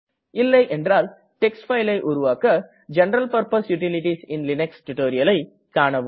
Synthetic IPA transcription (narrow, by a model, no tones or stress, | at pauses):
ɪlːɐɪʔɛndraːl | ʈɛksʈfɐɪlɐɪʔʊɾʊʋaːkɐ | d͡ʒɛnɐɾɐlpɐɾpɐsjʊʈɪlɪʈisɪnlɪnɛksʈʊʈoːɾɪjɐlɐɪ | kaːɳɐʋ